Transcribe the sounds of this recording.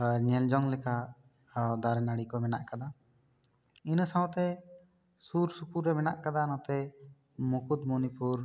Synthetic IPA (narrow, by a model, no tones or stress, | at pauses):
ɲɛld͡ʒɔŋlɛka | d̪aɾɛnaɽikɔmɛna̰ʔkad̪a | insawɔ̃t̪ɛ | suɾsupuɾːɛmɛna̰ʔkad̪anɔt̪ɛ | mukud̪mɔnipuɾ